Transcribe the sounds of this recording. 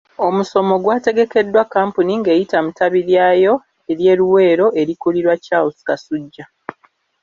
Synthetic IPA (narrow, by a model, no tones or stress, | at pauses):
o̞muso̞mo̞ɡwaːte̞ɡe̞ke̞dːwakːaːmpuniŋɡe̞ːjitamutaβiɾjaːjo̞ | eɾje̞ːɾuwe̞ːɾo̞ʔe̞ɾikuliɾwacawusi̥kasuɟːa